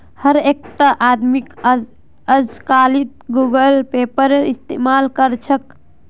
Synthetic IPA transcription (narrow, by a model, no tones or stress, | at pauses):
həɾek̚t̪əʔaːd̪mik | əd͡ʒkaːlit̪̚ɡuɡəlpeːpəɾeɾist̪eːmaːlkəɾt͡ʃʰək